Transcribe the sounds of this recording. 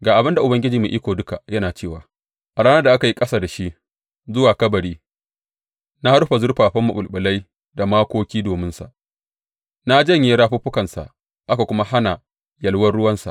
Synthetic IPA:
ɡaː˨ʔa˨bɪ˦nda˨ʔʊ˨bɐ˦ŋɡʲɪ˦d͡ʒiː˨mu˨ʔiː˦kʷoː˨dʊ˦ka˨jɐ˦naː˨t͡ʃeː˦˨waː˨ | ʔa˨ɽaː˦nɐ˦da˨ʔa˦ka˨ji˦kʼɐ˦saː˨da˨ʃi˦ʔ | zʊ˦waː˨kɐ˦bɐ˨ɽiː˦ | na˦ha˦ɾɸa˨zʊ˦ɽɸaː˨ɸɐ˦mːʊ˨ɓʊ˨lɓɪ˨la˦j | da˨maː˦kʷoː˦kʲiː˦doː˨mɪ˦nsa̰˨ʔ | na˦d͡ʒɐ˦˨ɲje˦ɾaː˦ɸuː˦ɸʊ˦kɐ˨nsa̰˨ʔ | ʔa˦ka˨kʷʊ˦ma˦ha˦na˨ | jɐ˨lwɐ˦nɽʊ˦wɐ˦nsa̰˨ʔ

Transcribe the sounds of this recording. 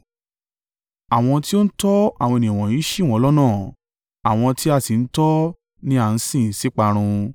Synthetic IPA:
a˨w̃ɔ̃˧ti˦o˦n̩˦tɔ˦a˦˨w̃ɔ̃˧e˨nĩ˨w̃ɔ̃˨ĩ˨˦ʃi˦˨w̃ɔ̃˦lɔ˦nãː˦˨ | a˨w̃ɔ̃˧ti˦a˧˨si˨n̩˦tɔ˦ | nĩ˦a˦˨n̩˧˦sĩ˦˨si˦k͡pa˧ɾ̃ũ˧

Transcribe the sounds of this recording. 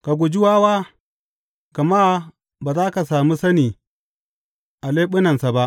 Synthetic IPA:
ka˨ɡo˨d͡ʒi˦wa˦wa˦ | ka˨ma˦ | ba˨zaː˦ka˨saː˨mu˦sa˦ni˨ | a˨le˦ɓu˦na˨nsa˨ba˦

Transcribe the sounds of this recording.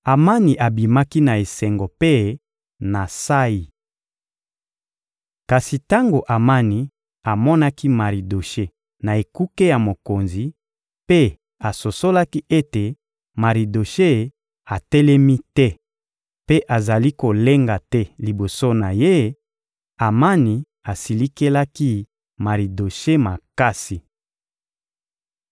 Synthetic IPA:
a˨ma˦ni˨ʔa˨bi˨ma˦ki˦na˨e˨sɛ˨ŋɡo˨pe˦ | na˨sa˦ji˨ | ka˨si˨ta˦ŋɡo˨ʔa˨ma˦ni˨ | a˨mɔ˦na˦ki˦ma˨ʁi˨do˨ʃe˦ | na˨e˨ku˦ke˦ja˨mo˨ko˨nzi˨ | pe˦ | a˨so˨so˦la˦ki˦ʔe˦te˨ | ma˨ʁi˨do˨ʃe˦ | a˨tɛ˦lɛ˦mi˦tɛ˦ | pe˦ʔa˨za˨li˦ko˨le˦ŋɡa˨tɛ˦li˨bo˨so˦na˨je˦ | a˨ma˦ni˨ | a˨si˨li˦ke˦la˦ki˦ | ma˨ʁi˨do˨ʃe˦ma˨ka˦si˨

